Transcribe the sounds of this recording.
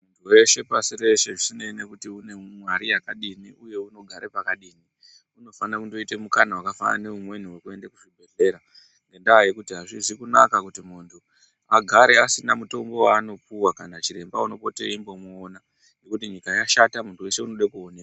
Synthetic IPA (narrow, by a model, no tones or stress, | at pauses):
mmuntʰuwe̞ʃe̞pasiɾe̞ʃe̞ʐisineine̞kutiune̞mwaɾijakaɗiniʔuje̞uno̞ɡʱaɾepakaɗiːni | uno̞fanakundo̞ite̞mukanawakafa̰na̰ne̞umwe̞niwe̞kue̞ndakuʐibʱe̞ɮe̞ɾa | ŋɡe̞ndaːjekutiɦaʐizikuna̰kakutimuntʰu | aɡʱaɾe̞asinamuto̞mbo̞waːno̞puwakanat͡ʃiɾe̞mbauno̞po̞teimbo̞moːna | nɡe̞kutiɲikajaʃatamuntʰuwe̞ʃe̞uno̞ɗakuo̞neka